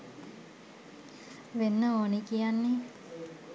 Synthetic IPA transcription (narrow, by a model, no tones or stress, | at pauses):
ʋenːəoːnikijanːe